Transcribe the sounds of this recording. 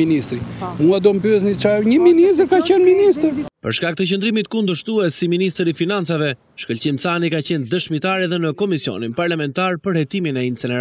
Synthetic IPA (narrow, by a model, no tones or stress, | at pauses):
inist̪ɾimuad̪ɔmpyɛsnit͡ʃaɲəminist̪ɾkacɛnminist̪pə̰ɾʃkak̚t̪ət͡ɕənd̪ɾimit̪kund̪əɾʃt̪uɛsːiminist̪ɾifinant͡savɛ | ʃkəlt͡ɕimt͡sanikat͡ɕɛnd̪əʃmit̪aɾɛðɛnəkɔmisiɔ̰ninpaɾlamɛnt̪aɾpəɾhɛt̪iminɛint͡sɛnɛɾ